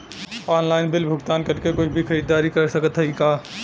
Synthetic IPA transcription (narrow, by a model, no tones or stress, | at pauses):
ɔːnlaːɪnbɪlbʱʊɡt̪aːnkɐɾkekʊt͡ʃʰbʱixʰɐɾiːd̪ːaːɾikɐɾsɐkət̪ɦɛikaː